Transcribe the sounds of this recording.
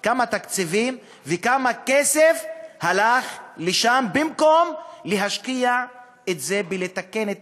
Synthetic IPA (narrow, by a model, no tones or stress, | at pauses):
kamat̪akt͡sivim | vekamakesefhalaχleʃambimko̞mleɦaʃkia | et̪ze̞belet̪akenet̪